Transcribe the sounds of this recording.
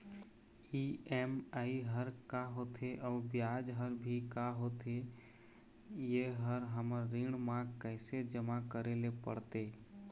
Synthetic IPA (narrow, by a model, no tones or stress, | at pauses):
iɛmaːiɦəɾkaɦoːt̪ʰeʔɔːɾbjaːd͡ʒɦəɾbʱikaɦoːt̪ʰe | jeɦəɾɦəməɾːɪɽmãkɛːsed͡ʒəmakəɾelepə̰ɽt̪eː